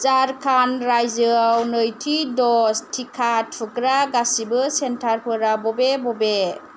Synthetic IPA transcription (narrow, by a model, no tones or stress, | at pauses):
t͡ʃaɾkʰanɾajzɯawnɯjtʰidɔstʰikʰat̚pʰɯkɾaɡasibɯsentʰaɾpʰɯɾabɔbebɔbe